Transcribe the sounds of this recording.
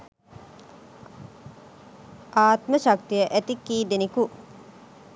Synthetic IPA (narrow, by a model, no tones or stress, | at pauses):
aːt̪məʃak̚t̪ijəʔæt̪ikːiːd̪eniku